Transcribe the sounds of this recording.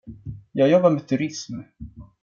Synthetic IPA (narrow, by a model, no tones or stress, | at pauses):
jɑːɡjɔbːaɾmɛt̪ʰɵɾɪsm